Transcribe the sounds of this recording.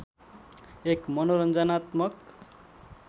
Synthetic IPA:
ekmʌnoɾʌnd͡zʌnat̪mʌk

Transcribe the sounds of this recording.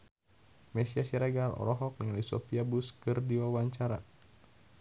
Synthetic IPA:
mɛsiasiɾɛɡalɔ̰ɾɔɦɔk̚niŋalisɔpiabuskɨrdiwawaɲt͡ʃaɾa

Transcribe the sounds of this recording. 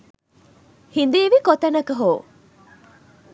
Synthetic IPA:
hind̪eːʋikot̪ɐnɐkɐɦoː

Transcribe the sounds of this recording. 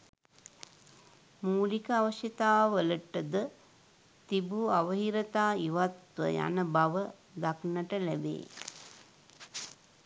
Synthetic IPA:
muːlikəaʋəʃjet̪aːʋələʈəd̪ə | t̪ibuaʋəɦiɾət̪aːiʋat̪ʋə̰ja̰nəbaʋə | d̪aknəʈəlæbḛː

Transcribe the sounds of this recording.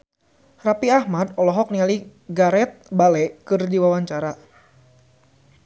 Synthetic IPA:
rapiahmadɔlɔɦɔk̚nialiɡaɾɛt̪̚balɛkɨrdiwawaɲt͡ʃaɾa

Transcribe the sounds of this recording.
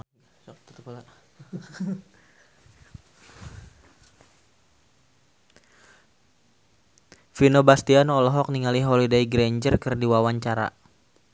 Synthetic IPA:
t̪pl | finobast̪ianɔlɔɦɔk̚niŋaliɦolidaiɡɾeɲd͡ʒərkɨrdiwawaɲt͡ʃaɾa̰

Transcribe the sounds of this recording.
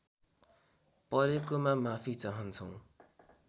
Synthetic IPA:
pʌɾekomamapʰit͡saɦʌnt͡sʰʌw̃

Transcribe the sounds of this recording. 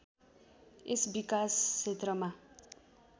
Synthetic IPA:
esbikasːʰet̪rʌma

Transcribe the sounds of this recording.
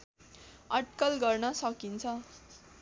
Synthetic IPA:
ʌʈ̚kʌlɡʌrnʌsʌkint͡sʰʌ

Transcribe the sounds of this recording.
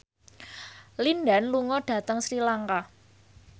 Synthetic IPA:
linɖa̤nluŋɔɖ̥ä̤t̪əŋsɾilaŋka

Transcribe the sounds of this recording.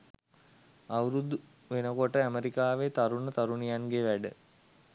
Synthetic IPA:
aʋɾud̪u | ʋenəkoʈəæməɾikaːʋet̪aɾunət̪aɾunijanɡeʋæɖə

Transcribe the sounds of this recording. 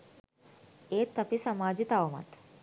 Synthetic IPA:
eːt̪ːɐpisɐmaːd͡ʒit̪ɐʋɐma̰t̪

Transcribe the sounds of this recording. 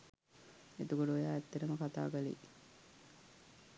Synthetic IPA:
et̪ukoɖuojaːɛt̪ːeɾəməkat̪a̰ːɡalḭ

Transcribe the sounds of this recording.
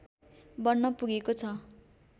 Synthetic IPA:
bʌnːʌpuɡekot͡sʰʌ

